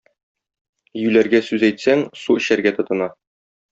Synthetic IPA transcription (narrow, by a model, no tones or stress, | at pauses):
jʉlæɾɡæsʉzæjt̪sæŋsuɘ̆ɕæɾɡæt̪ɤ̆t̪ɤ̆nɑ